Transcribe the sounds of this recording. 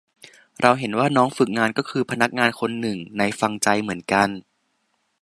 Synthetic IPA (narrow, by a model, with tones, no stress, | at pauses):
ɾʔa˧wɦe˩˦nwaː˥˩nɔː˦˥ŋfɯ˨˩k̚ŋaː˧nkɔː˥˩kʰɯː˧pʰa˧na˦˥k̚ŋaː˧nkʰo˧nːɯ˨˩ŋna˧jfa˧ŋt͡ɕa˧jmɯ˩˦ənka˧n